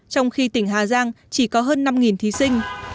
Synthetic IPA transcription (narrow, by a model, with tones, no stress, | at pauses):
t͡ɕɔ˧wŋ͡mxi˧t̪ï˧˩ŋ̟ɦaː˨˩zaː˧ŋ | t͡ɕi˧˩kɔ˨˦ɦəː˧nːa˧mŋi˨˩nt̪ʰi˨˦sï˧ŋ̟